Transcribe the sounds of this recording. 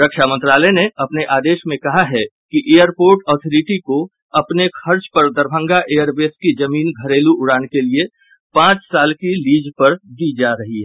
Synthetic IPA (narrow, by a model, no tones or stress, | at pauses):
ɾɐkʃamə̃nt̪ɾaːlɛneɐpneʔaːd̪eːʃmẽkɐɦaɦɛkiʔeːjəɾpoːɾʈɔːt̪ʰɔɾɪʈiko | ɐpnekʰɐɾt͡ʃpɐɾd̪ɐɾbʱə̃ŋɡaʔeːəɾbeːskid͡ʒɐmiːnɡʱɐɾeːluʔʊɽaːnkelie | pãːt͡ʃsaːlkiliːd͡ʒpɐɾd̪id͡ʒaːɾɐɦiɦɛ